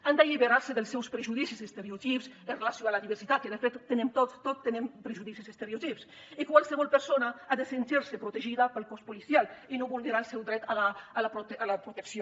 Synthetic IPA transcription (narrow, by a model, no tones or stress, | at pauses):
and̪eʎiβeɾaɾseðəlˠsːɛwspɾeʒuðisizəst̪eɾeot̪ipsənrelasjoalaðiβəɾsit̪at̪̚keðefet̪ːenemt̪ot̪t̪ːot̪ːenempɾeʒuðisisəst̪eɾiot̪ips | ikwalˠseβɔlˠpəɾsonaaðesent̪iɾsepɾut̪eʒiðapəlˠkɔspulisjalinoβulneɾaelˠsɛwd̪ɾɛt̪alaːlapɾoalapɾut̪eksjo